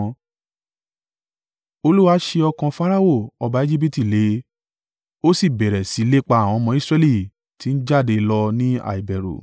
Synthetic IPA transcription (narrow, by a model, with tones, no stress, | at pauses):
o˧lu˦wa˦ʃe˧ɔ˧kã˧fa˦ɾa˦o˦˨ɔ˧ba˧˦e˦d͡ʒi˦p̬i˦ti˦˨le˨˦ | o˦si˦˨bɛ˨ɾɛ˨si˨˦le˦k͡pa˧˦a˨w̃ɔ̃˧mɔ̃˧˦i˦sɾɛ˧˦li˦˨ | ti˨˦n̩˦d͡ʒa˦˨de˧lɔ˧nĩ˦a̰˦˨i˨bɛ˨ɾo̰˨